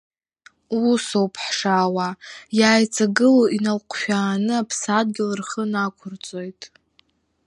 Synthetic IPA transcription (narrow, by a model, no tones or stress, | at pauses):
usowpʰħʂawajaːjt͡sʼaɡɨloinalqʷʼʰʃᶣaːnɨapʰsad̚ɡʲɪlɨrχənakʷʰʊrt͡sʼo̞jtʼ